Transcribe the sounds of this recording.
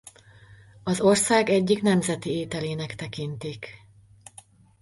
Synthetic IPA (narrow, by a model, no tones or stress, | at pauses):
ɒzo̞rsaːɡɛɟːiknɛmzɛt̪ieːt̪ɛleːnɛkt̪ɛkint̪ik